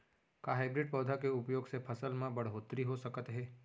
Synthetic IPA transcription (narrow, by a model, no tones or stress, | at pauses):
kaɦaːɪbɾɪɖ̚pɔːd̪ʱakeʊpjoːɡsepʰɐsəlmãbɐɽ̤ɦoːt̪ɾiɦosɐkət̪ɦɛː